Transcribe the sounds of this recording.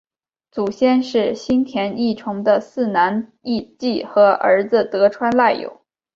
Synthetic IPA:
t͡su˨˩ɕjɛ˥nʂɻ̩˥˩ɕi˥nt̪ʰjɛ˧˥ni˥˩ʈ͡ʂʰʊ˧˥ŋd̪ə˧sɹ̩˥˩na˧˥ni˥˧t͡ɕi˥˩xɤ˧˥ʔə̰˞˧˥d͡z̩˧t̪ɤ˧˥ʈ͡ʂʰwa˥nla˥˩ɪjo̰˨˩˦ʊ

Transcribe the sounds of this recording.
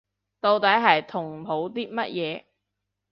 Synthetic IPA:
t̪o˧wt̪ɐ˨˥jɦɐ˨jt̪ʰʊ˨˩ŋ˨pʰo˨˥wt̪iː˥mɐ˥t̚jɛː˨˧

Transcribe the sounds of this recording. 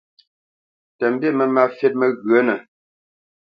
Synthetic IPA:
tə˨m̩˨˦be˦˨mə˨ma˦fe˦t̚mə˨ɣɰə˨˦nə˨

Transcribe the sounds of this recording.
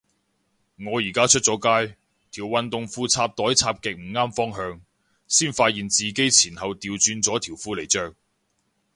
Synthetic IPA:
ŋɔː˨˧jiː˨˩kaː˥t͡ʃʰɵ˥t̚t͡sɔː˨˥kaː˥j | t̪ʰiː˨˩wwɐ˨nt̪ʊ˨ŋfuː˧t͡sʰaː˧p̚t̪ɔː˨˥jt͡sʰaː˧p̚kɪ˨k̚m̩˨˩ŋaː˥mfɔː˥ŋɦœː˧ŋ | siː˥nfaː˧t̚jiː˨nt͡siː˨ke˥jt͡sʰiː˨˩nhɐ˨wt̪iː˨˧wt͡ʃyː˧nt͡sɔː˨˥t̪ʰiː˨˩wfuː˧le˨˩jt͡ʃœː˨˧k̚

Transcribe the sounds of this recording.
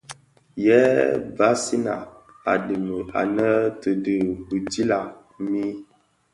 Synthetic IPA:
jɛ˦ba˦si˦na̰˨ | a˨di˨mə˨a̰˨nə˦tə˨də˨bu˨ti˦la˨ | mi˦

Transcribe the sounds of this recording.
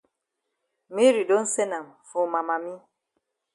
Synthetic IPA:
mi˦ɾi˨do˦n̩˦se˦na˨mfo˨ma˨ma˨mi˦

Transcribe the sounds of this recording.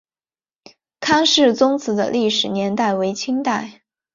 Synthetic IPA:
kʰa˥nʂɻ̩˥˩t͡sʊ˥ŋt͡sʰɹ̩˧˥d̪ə̰˧li˥˩ʂɻ̩˨˩njɛ˧˥nt̪a˥˩ɪwe˧˥ɪt͡ɕʰi˥ŋt̪a˥˩ɪ

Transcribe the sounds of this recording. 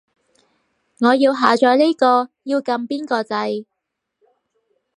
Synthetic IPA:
ŋɔː˨˧jiː˧wɦaː˨t͡ʃɔː˧jli˥kɔː˧jiː˧wkɐ˧mpiː˥nkɔː˧t͡sɐ˧j

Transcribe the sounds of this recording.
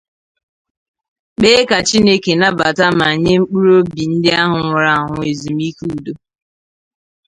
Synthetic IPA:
k͡peː˦ka˨t͡ʃi˦ne˦ke˨na˦ba˨ta˦ma˨ɲe˦ŋ͡m̩˦k͡pu˦ɾo˦bi˨n̩˦dɪ˦a˦ɦʊ˨ŋʷa˨ɾa˦˨ɦʊ˨e˨zu˨m̩i˦ku˦˨do˦

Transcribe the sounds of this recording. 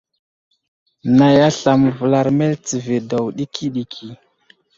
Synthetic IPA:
na˨ja˦ɬa˨m˨və˨la˨ɾme˦lt͡si˨ve˨do˨wɗi˦kʰi˦ɗi˨kʰi˨

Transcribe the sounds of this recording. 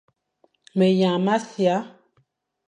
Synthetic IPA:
me˨jã˨ma˦sja˨˦

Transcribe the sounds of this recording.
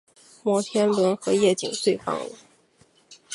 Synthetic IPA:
mwɔ˥˩t̪ʰjɛ˥nlwə˧˥nxɤ˧˥jɛ˥˩t͡ɕi˨˩ŋswe˥˩ɪfɑ̰˥ŋlə̰˧˥˦

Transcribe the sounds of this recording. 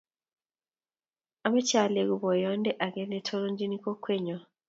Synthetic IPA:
ama˦ca˨le˨ɡu˨βo˨jo˦nde˦ʔa˨ɡe˦ne˦tʰo˦lo˦ɲd͡ʒi˦ni˦ko˦kwe˦ɲo˨

